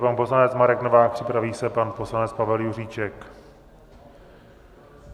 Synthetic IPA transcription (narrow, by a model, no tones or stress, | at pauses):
panpo̞slanɛt͡smaɾɛknovaːxpr̝̥ɪpɾaviːsɛpanpo̞slanɛt͡spavɛljur̝iːt͡ʃɛk